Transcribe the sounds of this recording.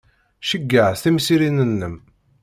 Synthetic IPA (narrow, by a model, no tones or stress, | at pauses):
ʃəɡːəʕθimsiɾinənːəm